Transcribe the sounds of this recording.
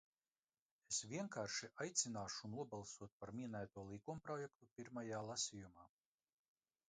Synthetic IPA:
esvʲiɛŋkaːɾʃiʔajt̪sʲinaːʃunuɔbalˠsuɔt̪̚paɾmʲiɛnæːt̪uɔlˠikumpɾɔjɛk̚t̪upʲiɾmajaːlˠasʲijumaː

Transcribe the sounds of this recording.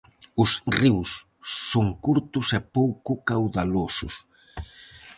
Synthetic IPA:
ʊsriwsː | oŋkuɾt̪ʊsɛpowkʊkawðalosʊs

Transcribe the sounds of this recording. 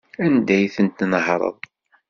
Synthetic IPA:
ænd̪æjθənt̪nəɦɾˤə̰ðˤ

